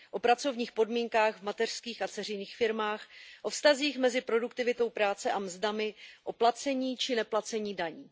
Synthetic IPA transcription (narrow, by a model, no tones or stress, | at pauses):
ʔo̞pɾat͡so̞vɲiːxpo̞dmiːŋkaːxɣvmat̪ɛr̥skiːxat͡sɛr̝ɪjniːxfɪɾmaːxʔo̞fst̪aziːxmɛzɪpɾo̞dukt̪ɪvɪt̪o̞wpɾaːt͡sɛʔamzdamɪʔo̞plat͡sɛɲiːt͡ʃɪnɛplat͡sɛɲiːdaɲiː